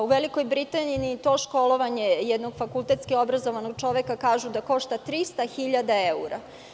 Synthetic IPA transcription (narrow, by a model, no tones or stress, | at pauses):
uʋeliko̞jbɾit̪aniniːt̪o̞ʃko̞lˠo̞ʋaɲe̞jɛd̪no̞ɡfakulˠt̪et̪skio̞bɾazoʋanoɡ̚t͡ʃo̞ʋekakaːʒud̪ako̞ʃt̪at̪ɾist̪axiʎad̪aeuɾa